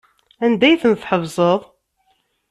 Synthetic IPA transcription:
ænd̪æjθənθħəvzˤəðˤ

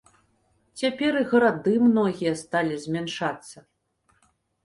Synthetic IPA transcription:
t͡sʲapʲɛɾiɣɐɾad̪ɨmnɔɣʲijɐst̪alʲizʲmʲanʂat̪sːɐ

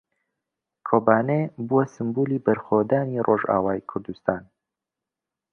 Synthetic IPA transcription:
kʰoːbaːnebuwɐsɨmbuːliːbɐɾxoːd̪aːnirʔoːʒa̰ːwaːjkʰʊɾd̪ust̪aːn

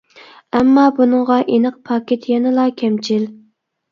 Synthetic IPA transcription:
ɛmːɑːbunɨŋʁɑʔenəq̚pʰɑːkʲet̪ʰjɛnɨlˠɑːkʲʰɛmt͡ʃʰil

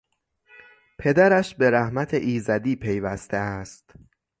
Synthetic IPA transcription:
pʰe̞d̪æɾæʃbe̞ɾæhmæt̪ʰeʔiːzæd̪iːpʰe̞jvæst̪ʰeæst̪

